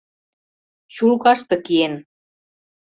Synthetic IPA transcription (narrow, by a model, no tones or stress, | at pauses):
t͡ɕulkɑʃt̪ɤ̆kien